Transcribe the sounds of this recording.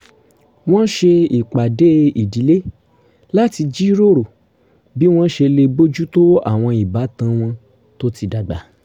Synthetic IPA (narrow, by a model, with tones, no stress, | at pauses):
w̃ɔ̃˦ʃe˧i˨k͡pa˨de˨˦i˨di˨˦le˦ | la˦ti˧d͡ʒi˦ɾo˦˨ɾo˨ | bi˦w̃ɔ̃˦ʃe˧le˧bo˦d͡ʒu˦to˦a̰˦˨w̃ɔ̃˧i˨ba˨˦tã˧w̃ɔ̃˧ | to˦ti˧da˨ɡ͡ba̰˨˦